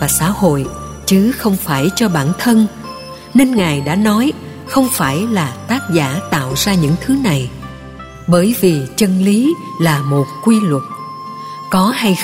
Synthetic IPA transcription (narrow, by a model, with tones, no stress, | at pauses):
vaː˨˩sa̰ː˧˥ho̰˧˨j | t͡ɕɨ˨˦xə˧wŋ͡mfaː˧˩jt͡ɕɔ˧ɓa̰ː˧˩nt̪ʰə˧n | ne˧nŋaː˨˩jɗa̰ː˧˥nɔ˨˦j | xə˧wŋ͡mfaː˧˩jlaː˨˩t̪aː˦˥t̚za̰ː˧˩t̪a̰ː˧˨wzaː˧ɲɨ̰˧˥ŋt̪ʰɨ˨˦na˨˩j | ɓəː˧˩jvi˨˩t͡ɕə˧nli˨˦laː˨˩mo˨˩t̚kwi˧lə˨˩t̚ | kɔ˨˦ha˧j